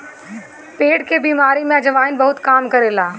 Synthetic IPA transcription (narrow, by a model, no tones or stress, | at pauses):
peːɖkebiːmaːɾimẽɐd͡ʒɐʋaːɪnbɐɦʊt̪kaːmkɐɾeːlaː